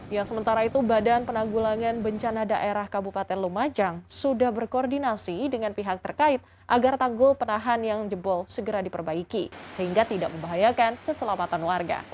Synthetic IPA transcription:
jasəmənt̪aɾait̪ubadanpənaŋɡulaŋanbəɲt͡ʃanadaʔeɾahkabupat̪ɛnlumad͡ʒaŋsudahbərkoːrdinasidəŋanpiɦak̚t̪ərkaɪt̪̚ | ʔaɡart̪aŋɡʊlpənaɦanjaŋd͡ʒəbɔlsəɡəɾadipərbaikisəɦiŋɡat̪idaʔ̚məmbaɦajakankəsəlamat̪anwarɡa̰

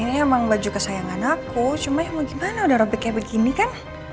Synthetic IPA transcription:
iniemaŋbad͡ʒukəsajaŋanakut͡ʃumaamaɡimanaudahɾobɛkabəɡinikan

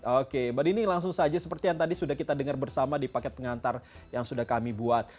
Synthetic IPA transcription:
okebadinilaŋsʊŋsad͡ʒasəpərt̪ijaŋt̪adisudahkit̪adəŋərbərsamadipakɛt̪̚pəŋant̪ar | jaŋsudahkamibuat̪̚

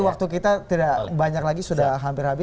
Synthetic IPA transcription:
wak̚t̪uk̬it̪at̪idabaɲaklaɡisudaɦampɪrhabɪ

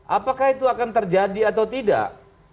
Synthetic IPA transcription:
ʔapakahit̪uakant̪ərd͡ʒadiat̪awt̪ida̰ʔ

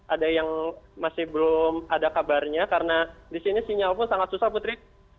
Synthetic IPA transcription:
ʔadajaŋmasɪhbəlʊmadakabarɲakaɾənadisinisiɲalpʊnsaŋat̪̚susaput̪ɾɪk̚

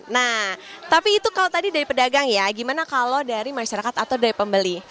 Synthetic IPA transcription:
naht̪apiːt̪ukalot̪adidaɾipədaɡaŋjaɡimanakalodaɾimaʃaɾakat̪at̪awdaɾipəmbəli

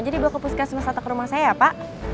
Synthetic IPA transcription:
d͡ʒadibuakəpuskasəmasat̪akəɾumahsajapaʔ

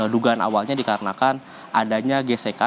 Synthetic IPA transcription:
duɡaːna̰walɲadikaɾənakan | ʔadaɲaɡeseka

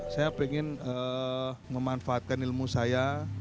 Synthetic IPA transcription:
sajapɛŋɪnə | məmanfaːt̪̚kanilmusaja

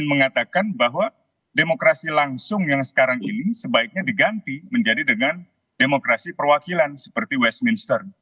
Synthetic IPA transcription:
nməŋat̪akanbaɦwa | demokɾasilaŋsʊŋjaŋsə̥kaɾaŋinisəbaɪk̚ɲadiɡant̪iməɲd͡ʒadidəŋan | demokɾasipərwakilansə̥pərt̪iwɛst̪̚minst̪ər

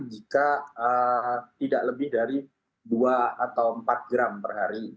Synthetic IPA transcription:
d͡ʒikaət̪idaʔləbɪhdaɾi | duaat̪awəmpat̪̚ɡɾampərɦaɾi

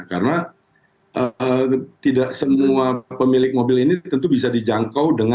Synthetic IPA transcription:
kaɾəna | ʔət̪idaʔsəmuapəmilɪk̚mobɪlinit̪ənt̪ubis̬adid͡ʒaŋkawdəŋ

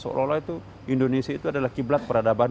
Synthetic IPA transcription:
so̰lʔolait̪u | indonesiait̪uadalahkiblat̪̚pəɾadaban

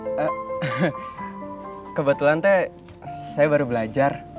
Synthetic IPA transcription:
ə | kəbət̪ulant̪ɛ | sajabaɾubəlad͡ʒar

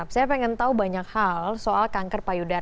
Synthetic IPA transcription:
psajapɛŋɛnt̪aubaɲakhalsoʔalkaŋkərpajuda

